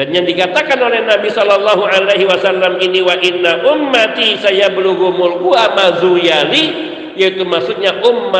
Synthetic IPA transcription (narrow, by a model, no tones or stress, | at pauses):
danjaŋdikat̪akanolɛhnabisɔlalːaɦuʔalajɦiwasalːaminiwaʔɪnːaʔʊmːat̪isajabəluɡumʊlkuamazujali | jait̪umasʊt̪̚ɲaʔʊmːa